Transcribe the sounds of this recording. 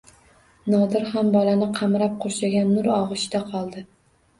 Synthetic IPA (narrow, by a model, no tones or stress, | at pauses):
nɒd̪ɪɾhambɒlanɪqʰɑmɾap̚qʰoɾʃaɡʲanːʊɾɒʁɨʃd̪aqʰɒlˠd̪ɪ